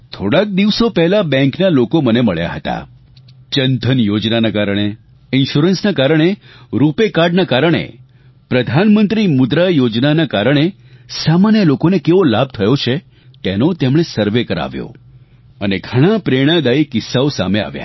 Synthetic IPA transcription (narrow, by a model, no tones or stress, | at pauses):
t̪ʰoɽak̚d̪iʋsopɛɦlabɛ̃ŋknalokoməneməɭja̰ɦət̪a̰ | t͡ʃənd̪ʱənjod͡ʒnanakaɾəɽ̃e | ɪnʃuɾənsnakaɾəɽ̃eɾupekaɾɖnakaɾəɽ̃ḛ | pɾəd̪ʱanmənt̪ɾimʊd̪ɾajod͡ʒnanakaɾəɽ̃e | samanjəlokonekeʋolab̚ʱt̪ʰəjot͡ʃʰe | t̪enot̪emɽ̃esəɾʋekəɾa̰ʋjo̰ | əneɡʱəɽ̃apɾeɽ̃ãd̪aikɪsːaosa̰mea̰ʋja̰